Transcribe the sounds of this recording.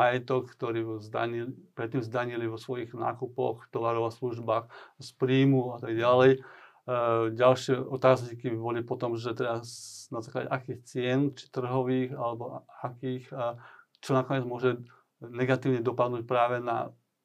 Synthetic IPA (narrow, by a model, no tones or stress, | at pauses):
ajɛt̪ɔkkt̪ɔɾiːzd̪a̰ɲilipɾɛt̪ːiːmzd̪aɲiliʋɔsʋɔjiɣna̰ːkupɔ̰xt̪ɔʋaɾɔʊasluʒbaːxspɾiːmuat̪aɡɟalɛj | ɟalʃɪɛʔɔt̪aːzɲiːkibɔlipɔt̪ɔmʒɛt̪ɛbanazaːkla̰ɟɛ̰ʔakiːxt͡sɪɛnt͡ʃi̥t̪r̩ɦɔʋiːɣalɛbɔakiːx | t͡ʃɔnakɔɲɪɛd͡zmʊɔʒɛ | nɛɡat̪iːʊɲɛd̪ɔpad̪nuːc̚pɾaːʋɛna̰